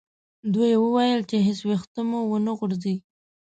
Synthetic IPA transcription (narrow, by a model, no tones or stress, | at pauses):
d̪ujewəwajəlt͡ʃeɦɪswext̪əmuwənəɣʊɾzi